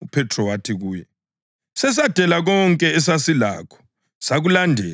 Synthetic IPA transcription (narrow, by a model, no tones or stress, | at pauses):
upʰɛtʰrɔwatʰiɣuːjɛ | sɛs̬ad̥ʱɛlaɣɔŋkʼɛɛsasila̰ːkʰɔ̥ | saɣulandʱɛ̰ːla